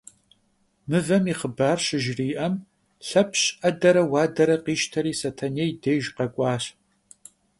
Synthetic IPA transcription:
mɨvɐmiχəbaːrɕɪʒriːʔɐm | ɬɐpʰɕʼʔɐdɐɾɐwaːdɐɾɐqiːʃtʰɐɾiːsɐtʰɐnejdejʒqɐɡʷʼɑːɕ

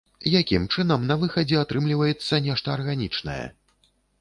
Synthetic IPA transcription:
jakʲimt͡ʂɨn̪ɐmnɐvɨxɐd͡zʲɛat̪ɾɨmlʲivɐjɛt̪sːɐnʲɛʂt̪ɐːrɣanʲit͡ʂnɐ̰jɛ̰

